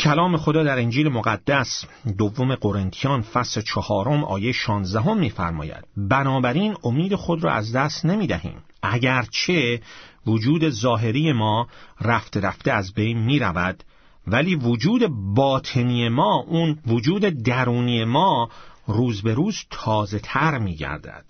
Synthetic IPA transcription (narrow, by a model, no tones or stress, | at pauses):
cʰælɒːme̞xo̞d̪ɒːd̪æɾend͡ʒiːle̞moɣæd̪ːæsd̪ovːo̞meɡo̞ɾent̪ʰijɒːnfæslet͡ʃʰɒhɒːɾo̞mʔɒ̰ːjejʃɒːnzd̪æɦo̞mːiːfæ̰ɾmɒ̰ːjæ̰d̪̥̚bænɒːbæɾiːno̞miːd̪e̞xo̞d̪ɾɒ̰ːæ̰zd̪æst̪nemiːd̪æhḭːm | ʔæɟæɾt͡ʃʰe̞vod͡ʒuːd̪e̞zɒːɦe̞ɾiːje̞mɒːræft̪e̞ɾæft̪e̞æzbe̞jnmiːɾævæd̪̥ | væliːvod͡ʒuːd̪e̞bɒːt̪ʰe̞niːjemɒːʔunvod͡ʒuːd̪e̞d̪æɾuːniːje̞mɒːruːzbe̞ɾuːzt̪ʰɒːze̞t̪ʰæɾmiːɟæ̰ɾd̪æ̰d̪̥